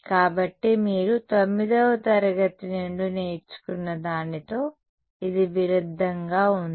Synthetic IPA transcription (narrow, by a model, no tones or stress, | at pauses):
kaːbɐʈːemiːɾut̪omːid̪ɐʋɐt̪ɐɾɐɡɐt̪inuɳɖuneːjit͡ʃːu̥kunːɐd̪aːnit̪o̞ː | id̪iʋiɾud̪ʱːɐŋɡaːund̪i